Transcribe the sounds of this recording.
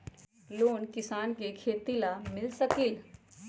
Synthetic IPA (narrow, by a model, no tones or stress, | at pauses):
loːnkɪsaːnkekʰeːt̪ilamɪlsəkiːl